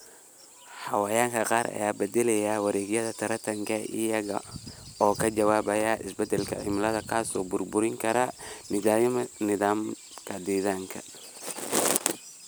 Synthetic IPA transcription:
ħɑwajaːŋkʰɐqɑːɾɐ̰jaːbɛd̪ɛlɛjaːwɑɾɛːɣjɐðɐt̪ʰɐɾɐt̪ʰɐŋkʰɐʔɪ̰jɐɣɐ̰ɔːkʰɐd͡ʒɐwaːβɐjaːʔɪ̰sbɛd̪ɛlkʰɐʕɪmlɐðɐkʰasɔːbʊrbʊɾɪŋkʰɐɾɐ | nɪðaːm | kʰɐd̪ɛːðaːŋkʰɐ

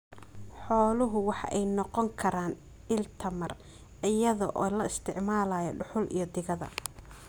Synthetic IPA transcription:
ħɔːlʊɦʊwɑħɑ̰ʔɛjnɔqɔŋkʰɐɾaːn | ɪlt̪ʰɐmɐr | ɪjɐðɔʔɔːlɐɪst̪ʰɪʕmaːlaːjɔ̰ɖʊħʊlʔḭjɞd̪ɪɣɐðɐ̰

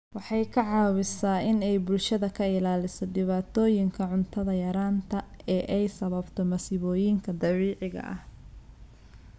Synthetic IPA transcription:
wɑħɑjkʰɐʕɑːwɪsaːɪnɛjbʊlʃɐðɐkʰɐɪlaːlɪsɔd̪ɪβaːt̪ʰɔːjɪŋkʰɐʕʊnt̪ʰɐðɐjɐɾaːnt̪ʰɐɛːʔɛjsɐβɐbt̪ʰɔmɐsɪβɔːjɪŋkʰɐd̪ɐβiːʕɪɣɐ̰ʔɐh

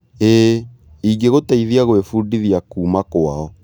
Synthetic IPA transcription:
eː | iŋɡeɣotaiðiaɣwefuːdiðiakuːmakoaɔ

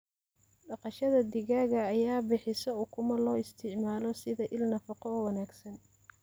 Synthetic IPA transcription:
ɖɑqɑʃɐðɐd̪ɪɣaːɣɐːjaːbɪħɪsɔʊkʰʊmɐlɔːɪst̪ʰɪʕmaːlɔsɪðɐʔɪlnɐfɑqɔwɑnaːɡsɐn

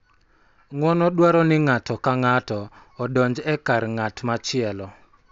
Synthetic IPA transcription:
ŋwɔnɔdwaɾɔnɪŋatɔkaŋatɔː | dɔɲd͡ʒɛkaɾŋatmat͡ʃɪɛlɔ

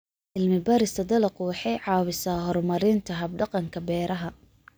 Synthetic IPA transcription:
ʔɪlmɪbɐɾɪst̪ʰɐd̪ɐlɐqʊwɑħɑjʕɑːwɪsaːɦɔrmɐɾɪnt̪ʰɐɦɐb̚ɖɑqɑŋkʰɐbɛːɾɐɦɐ

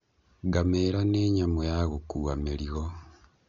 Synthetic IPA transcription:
ɡameːɾaneːɲamojaɣokuɣameliɣo

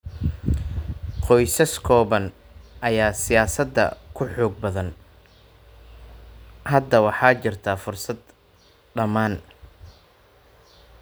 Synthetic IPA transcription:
qɔjsɐskʰɔːβɐn | ʔɐjaːsɪjaːsɐd̪ːɐ̰kʰʊħɔːɡ̚bɐðɐn | hɐd̪ɐwɑħɑːt͡ʃɪrt̪ʰaːfʊrsɐd̪ | ɖɐmaːn

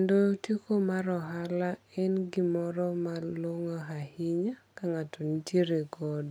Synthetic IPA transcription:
ndotekomaɾɔɦalaɛnɡimɔɾɔmaloŋaɦahɪɲakaŋatonitjeɾeɡɔd

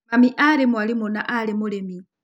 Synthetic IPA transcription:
mamiʔaɾɛmwalimɔnaʔalɛmɔlɛmi

